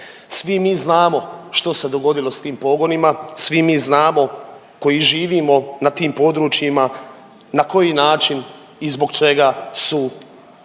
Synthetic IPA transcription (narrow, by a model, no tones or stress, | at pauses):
sʋimiːznaːmo̞ʃt̪o̞se̞d̪o̞ɡo̞d̪ilost̪iːmpo̞ɡo̞nimasʋimiːznaːmo̞ | ko̞jiʒiːʋiːmo̞nat̪iːmpo̞d̪ɾuːt͡ʃjima | nako̞jinaːt͡ʃin | izbo̞ɡt͡ʃe̞ɡasu